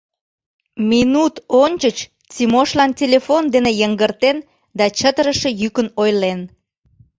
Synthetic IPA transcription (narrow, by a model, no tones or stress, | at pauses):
minut̪onʲt͡ɕət͡ɕ | t͡sʲimoʃlɑntʲelʲefond̪enejəŋɡərt̪en | d̪ɑt͡ɕət̪əɾəʃejykənojlen